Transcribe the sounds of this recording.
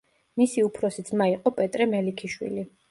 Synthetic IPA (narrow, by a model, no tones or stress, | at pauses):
misiupʰɾɔsid̪zʰmaiqʼɔpʼɛt̪ʼɾɛmɛlikʰiʃwḭli